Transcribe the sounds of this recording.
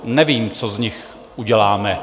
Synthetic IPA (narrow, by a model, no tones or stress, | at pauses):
nɛviːmt͡sozɲɪx | ʔuɟɛlaːmɛ